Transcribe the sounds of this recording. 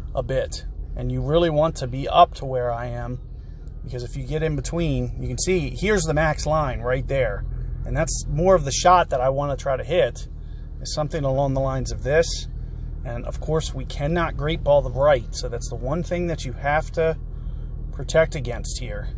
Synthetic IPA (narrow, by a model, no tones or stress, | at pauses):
ʔəbɪɾʔɨ̃njɨɹɪlˠiwɑ̃ntʰɨbiʔʌp̚tʰəwə˞aɪɨ̃m | b̥ɨkʰʌzɨfjɨɡɛɾɨ̃nbɨtʰw̥ĩnjɨkɨ̃n̩sihiɹzðɨmækslãɪ̃nɹaɪt̪̚ðə˞ɨ̃nðætsmɔɹʌvðɨʃɑt̪̚ðəɾaɪwɑ̃nətʰɹ̥aɪɾɨɦɪɾ | ɨz̥sʌ̃mθɪ̃ŋəlɔ̃ŋðəlãɪ̃nzʌvðɪs | ɨ̃nʌ̰v̥kʰɔɹswikʰænət̚ɡ̥ɹeɪp̚b̥ɔlˠðʌvɹaɪtsoʊðætsðəwʌ̃nθɪ̃ŋðɨt͡ʃɨhæftɨ | pʰɹ̥ɨtʰɛk̚tɨɡɛ̃nst̚hiɹ